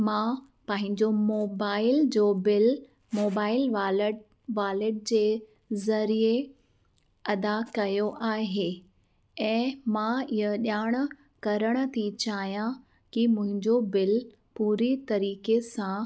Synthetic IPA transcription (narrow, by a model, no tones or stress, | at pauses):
mãː | pɐ̃ɦɪ̃ɲd͡ʑomoːbaːɪld͡ʑoːbɪl | moːbaːɪlʋl | ʋaːlɪʈ̚d͡ʑeː | zɐɾie | ɐd̪akɐjoʔaːɦe | ɛ̃ːmãɪɦəɗjaːɽ̃ə | kɐɾəɽ̃ə̆t̪ʰit͡ɕaːɦijã | kimʊ̃ɦɪ̃ɲd͡ʑobɪl | puːɾit̪ɐɾiːkesã